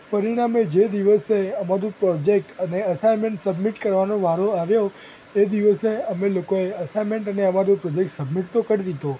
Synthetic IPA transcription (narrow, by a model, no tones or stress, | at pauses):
pəɾiɽ̃amed͡ʒed̪iʋəseəmaɾũpɾɔd͡ʒek̚ʈəneəsajmeɳʈsəbmiʈkəɾʋanoʋaɾoaʋjo | ed̪iʋəseəmelokoeəsajmeɳʈəneəmaɾupɾɔd͡ʒek̚ʈsəbmiʈt̪okəɾiɾid̪o